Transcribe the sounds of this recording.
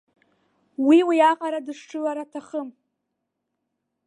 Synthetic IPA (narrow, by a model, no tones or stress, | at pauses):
wiwiaqʼaɾadɨʂʈ͡ʂʰɨlaɾatʰaχəm